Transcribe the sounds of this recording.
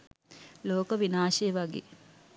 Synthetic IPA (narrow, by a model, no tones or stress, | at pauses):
loːkəʋinaːʃejʋaɡḛː